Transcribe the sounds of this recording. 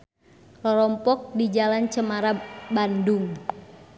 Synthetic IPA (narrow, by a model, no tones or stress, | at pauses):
lɔɾɔmpɔk̚did͡ʒalant͡ʃəmaɾabanduŋ